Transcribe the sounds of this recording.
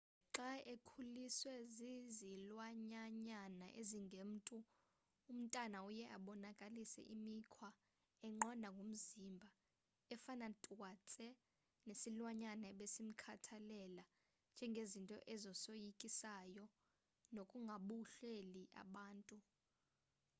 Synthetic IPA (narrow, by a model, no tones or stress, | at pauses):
ǁaʔekʰuliswɛzizilwaɲaɲana̰ʔeziŋɡʱem̩tʼu | um̩tʼanaujɛʔa̰ɓɔnakʼalisɛ̰ʔimikʰwa | ɛŋ͡ǃɔndʱaŋɡʱom̩zimbʱa | ɛfanatʼwat͡sʼɛ | nesilwaɲanaɓesim̩kʰatʰalɛla | nd͡ʒ̥ʱɛŋɡʱezintʼɔ̰ʔɛzɔsojikʼisajɔ | nokʼuŋɡʱaɓuɬeliʔa̰ɓaːntʼu